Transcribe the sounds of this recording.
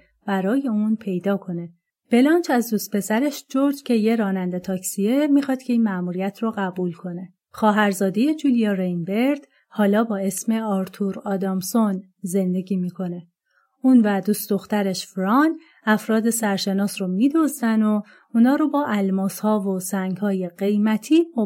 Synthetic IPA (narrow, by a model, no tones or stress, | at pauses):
b̥æɾɒːje̞unpʰe̞jd̪ɒːkʰo̞ne̞ | b̥e̞lɒːnt͡ʃʰæzd̪ust̪̚pʰe̞sæɾeʃd͡ʒoɾd͡ʒcʰe̞jeɾɒːnænd̪e̞t̪ʰɒːcsiemiːxɒːd̪̥cʰe̞iːnmæmuːɾijæt̪ʰroɣæbuːlkʰo̞ne̞ | xɒːɦæɾzɒːd̪eje̞d͡ʒuːlijɒɾejnbeɾd̪̥ | hɒːlɒːbɒːe̞sme̞ɒɾt̪ʰuɾɒːd̪ɒːmson | ze̞nd̪e̞ɟiːmiːkʰo̞ne̞ | unvæd̪uːst̪d̪o̞xt̪æɾeʃfɾɒːn | æfɾɒːd̪e̞sæɾʃe̞nɒːsromiːd̪ɒzd̪æno | uːnɒːɾobɒːʔælmɒːshɒːvosæŋɡhɒːje̞ɢe̞jmæt̪ʰiːo